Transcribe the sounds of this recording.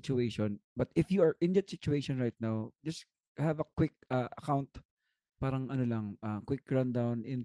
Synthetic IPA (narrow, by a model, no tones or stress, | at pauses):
t͡ʃuejʃɔ̃nbɐt̪ɪfjuɐɹʔɪ̃nd̪at̪sɪt͡ʃueɪʃɔ̃nɹajt̪̚nawd͡ʒɐs | hɐvɐkwɪk̚aʔɐkaw̃nt̪ | paːɾɐŋʔɐnolɐŋʔɐkwɪk̚ɡɹand̪awnɪ̃n